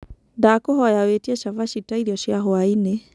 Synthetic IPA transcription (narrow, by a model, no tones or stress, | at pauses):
daːkoɦɔjawetiɛʃavaʃitaiɾiɔɕjaɦoaine